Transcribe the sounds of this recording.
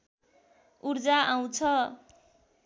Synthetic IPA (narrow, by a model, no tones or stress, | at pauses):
uɾd͡zaʔaw̃t͡sʰʌ